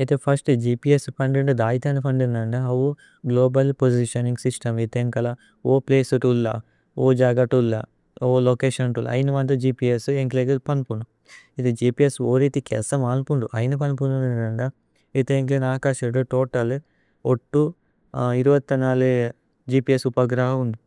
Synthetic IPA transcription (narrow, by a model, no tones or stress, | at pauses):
et̪epʰɐsʈd͡ʒiːpiespɐɳɖiɳɖud̪aːjt̪ʰɐːnupʰɐɳɖind̪ɐɳɖɐɐʋu | ɡloːbɐlpod͡ʒiʃɐniŋɡsisʈɐmit̪eŋkɐlɐ | oːpleːsuʈulːɐ̰ | oːd͡ʒaːɡɐʈulːɐ̰ | oːlokeːʃɐnʈul̰ːɐ̰jnɐʋɐnt̪̬ɐd͡ʒiːpieseŋkleɡipɐnpuɳɖu | it̪ed͡ʒiːpiesoːɾit̪ikɛ̰ːsɐmaːnpuɳɖuʔɐjnɐp̬ɐnipuɳɖuninɐɳɖɐ | it̪eeŋklenaːkaːʃɐɖuʈoːʈɐl | oʈːu | iɾuʋɐt̪ːɐnaːle | d͡ʒiːpiesupɐɡɾaːɦɐund̪i